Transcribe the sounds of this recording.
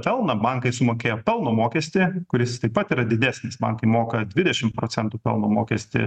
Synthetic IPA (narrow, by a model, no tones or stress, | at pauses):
pʲɛlˠnɐbɐŋkɐɪsʊmoːkʲeːjoːpʲɛlˠnoːmoːkʲɛsʲt̪ʲɪkʊɾʲɪst̪ɐɪpɐt̪iːɾɐd̪ʲɪd̪ʲæːsʲnʲɪsbɐ̰ŋkɐɪmoːkɐd̪ʲʋʲɪd̪ʲɛʃʲɪmpɾoːt͡s̪ʲɛnt̪uːpʲɛ̰lˠnoːmoːkʲɛsʲt̪ʲɪ̰